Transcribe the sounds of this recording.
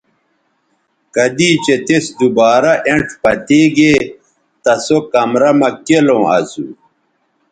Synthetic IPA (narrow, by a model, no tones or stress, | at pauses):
kɐd̪iːt͡ɕet̪esd̪ubaːɾɐʔeʈʰpɐt̪eːɡeː | t̪ɐsokɐmɾɐmɐkelõːɐ̰sṵ